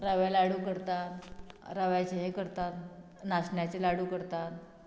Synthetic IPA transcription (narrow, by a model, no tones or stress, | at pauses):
ɾaʋalaɽuːkəɾt̪at̪ɾaʋajt͡ɕeɦekəɾt̪at̪ | nasɳjat͡ɕelaɽuːkəɾt̪at̪